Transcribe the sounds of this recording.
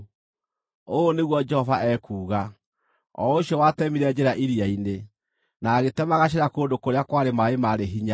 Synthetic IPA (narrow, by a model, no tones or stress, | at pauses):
oneɣwɔd͡ʒɛhɔvaʔɛkuːɣa | ɔ̰oɕjɔwaːtɛmiɾɛd͡ʒeɾaʔiɾiaine | naːɣetɛmaɣaɕ̬eɾakoːndokoɾeakwaɾemaemaɾeɦiɲa